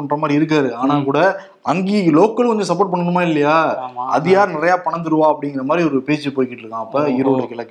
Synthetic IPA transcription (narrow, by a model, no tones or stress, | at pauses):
ɐɳːɾɐmaːd̪ɾiɪɾɯk̬ːaːɾɯaːnaːkuːɽɐ | ɐŋɡiloːkːɐlkɔɲd͡ʒõsɐp̬ːoːʈ̚pɐɳːɐɳɯmaːɪlːɐjaːɐ̰ðɯjaːɾnɪɾɐjaːpɐɳɐnd̪ɯɾɯʋãːɐpːɐɽɪŋɡɪɾɐmaːd̪ɾiɔɾɯpeːt͡ʃːɯpoːjkːɪʈːɾɯkːãːɐpːɐːɪɾɯʋɐɾɯkɪɭɐkː